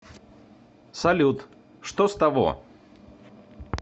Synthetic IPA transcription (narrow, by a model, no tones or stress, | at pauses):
sɐlʲut̪ | ʂt̪ost̪ɐvo̰